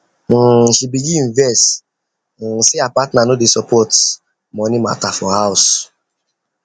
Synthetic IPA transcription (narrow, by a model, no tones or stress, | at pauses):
ʃibiɡĩĩvɛst̩ | seapatnanodesɔpʰɔt | mɔ̃nima̰tafɔhaʊs